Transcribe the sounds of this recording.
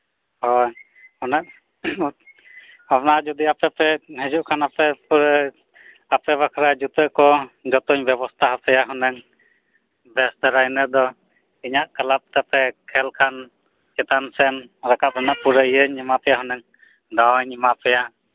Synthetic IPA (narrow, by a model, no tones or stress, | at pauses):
hɔ | hɔnaʔ | apnad͡ʒud̪iapɛpɛɦɛd͡ʒuʔkʰanapɛpuɾ | apɛβakʰɾad͡ʒut̪əkɔd͡ʒɔt̪ɔɲbɛbɔst̪ʰaɦapɛjaɦɔnɛŋ | bɛsd̪aɾajnəd̪ɔ | iɲaʔkalap̚t̪ɛpɛkʰɛlkʰan | kɛt̪ansɛnɾɛkap̚ɾɛnaʔpuɾəijəɲɛmapɛjaɦɔnɛŋ | d̪awɲɛmapɛja